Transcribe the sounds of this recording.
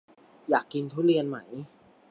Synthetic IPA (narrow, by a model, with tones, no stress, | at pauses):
jaː˨˩kːi˧nt̪ʰuː˥˩li˧ənma˦˥j